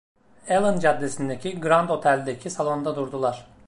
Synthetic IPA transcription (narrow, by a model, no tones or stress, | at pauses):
elˠɯnd͡ʒad̪ːesind̪ecʰiɡɾand̪o̞t̪ʰælʲd̪ecʰisalˠo̞nd̪ad̪uɾd̪ulˠaɾ̥